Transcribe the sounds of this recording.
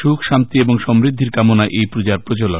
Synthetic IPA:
ʃukʰʃamt̪ieboŋʃɔmɾid̪ʱːiɾkamonaʔejpɾud͡ʑaɾpɾot͡ɕolo

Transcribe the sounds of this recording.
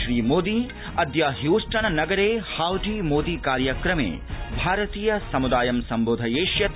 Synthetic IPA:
ʃɾiːmoːd̪i | ɐd̪jaːɦjuːʂʈɐnɐnɐɡɐɾeːhaːwʈiːmoːd̪iːkaːɾjɐkɾɐmḛː | bʱaːɾɐt̪iːjɐsɐmud̪aːjɐmsɐmboːd̪ʱɐjeːʃjɐt̪

